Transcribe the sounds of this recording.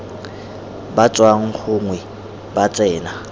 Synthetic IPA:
bat͡sʼwaŋ̩k͡xʰʊŋwɛ | bat͡sʼɛːna

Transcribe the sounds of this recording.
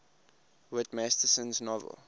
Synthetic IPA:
wɪtmæstəsə̃nznɔvə̰lˠ

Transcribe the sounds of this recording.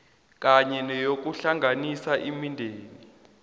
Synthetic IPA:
k̬ʼaɲɛnɛjok̬uɬaŋɡʱanisaʔimindʱeːni

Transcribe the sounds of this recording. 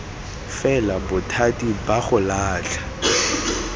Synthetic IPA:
fɛlabʊtʰatʼibaχʊlaːt͡ɬʰḁ

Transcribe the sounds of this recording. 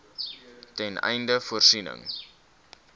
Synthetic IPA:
tɛnɛ̰jndəfuərsinə̰ŋ

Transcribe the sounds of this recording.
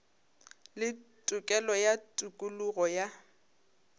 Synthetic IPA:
lɪtʼʊkʼɛlɔjatʼukʼuluɣɔja

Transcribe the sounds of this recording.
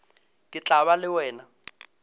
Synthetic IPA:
kʼɪt͡ɬʼaβalɪwɛːna

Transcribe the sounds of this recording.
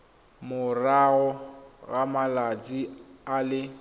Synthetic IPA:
mʊraɣɔɣamalat͡sʼialɪ

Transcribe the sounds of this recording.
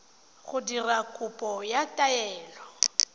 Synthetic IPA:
ɣʊdirakʼʊpʼɔjatʼaɛːlɔ

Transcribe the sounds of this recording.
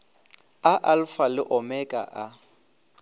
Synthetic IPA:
aʔalfalɪʔɔmɛkʼa̰ʔa

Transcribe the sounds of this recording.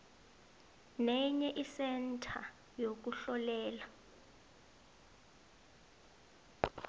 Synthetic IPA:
nɛɲɛʔisɛntʰa̰ | jok̬uɬɔlɛːla

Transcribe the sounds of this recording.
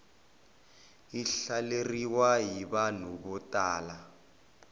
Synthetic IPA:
iɬaleriwaɦiβanuɓɔtaːla

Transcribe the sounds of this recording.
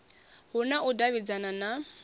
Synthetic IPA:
hʊnaʊdaβid͡zanana

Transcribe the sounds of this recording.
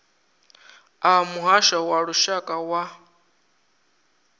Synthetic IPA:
amuɦaʃawaɺuʃakʼawa

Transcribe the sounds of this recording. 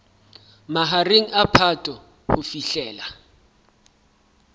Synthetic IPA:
maɦareŋ̩apʰatʼɔ | hʊfiɬɛːla

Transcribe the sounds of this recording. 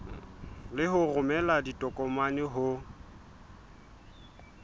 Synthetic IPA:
lɪɦʊrʊmɛladitʼɔkʼɔmanɪɦʊ

